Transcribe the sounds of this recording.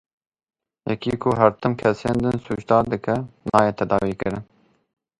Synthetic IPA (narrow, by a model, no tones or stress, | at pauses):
jɛkiːkʰʊɦæɾt̪ɨmkʰɛseːnd̪ɨnsuːʃd̪ɑːɾd̪ɨkɛnɑːjeːt̪ʰɛd̪ɑːwiːkɨɾɪn